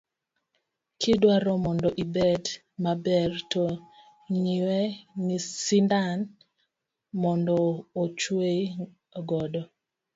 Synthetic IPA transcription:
kʰidwaɾɔmɔndɔʔibɛd | mabɛrto | ɲiwɛnisindan | mɔndɔːt͡ʃwe | ɡɔdɔ

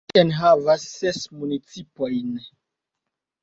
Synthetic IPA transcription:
enɦavasːesmunit͡sipojn

